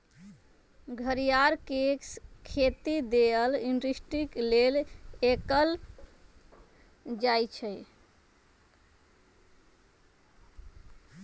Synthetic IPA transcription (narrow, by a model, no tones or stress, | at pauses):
ɡʱəɾijaɾkekskʰet̪id̪eəlinɖɾisʈiklelekəl | d͡ʒajt͡ʃʰəj